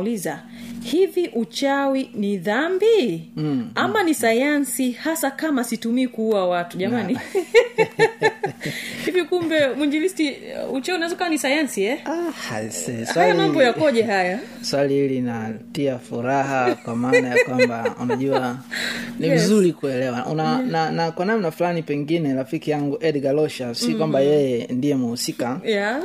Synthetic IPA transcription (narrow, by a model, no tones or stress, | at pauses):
liza | hiviʔut͡ʃawiniðambi | amanisajansihasakamasitumiːkuuwawatuʄamani | hivikumbɛmwiɲd͡ʒivistiut͡ʃawiunaɛzɔkawanisajansiɛahasɛwajalimabɔjakɔʄɛɦaja | swaliilinatiafuɾaɦakwamaːnajakwambaṵnaaʄua | nimizuɾikuɛlɛwaunananakwanamnaflanipɛŋɡinɛɾafikijaŋɡuʔɛdɡalɔʃasikwambajɛjɛndijɛmuhusikaja